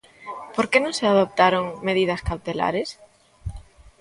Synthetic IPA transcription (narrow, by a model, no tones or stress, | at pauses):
poɾkenõŋseað̞op̚t̪aɾoŋmeð̞ið̞ɐskawt̪ela̰ɾes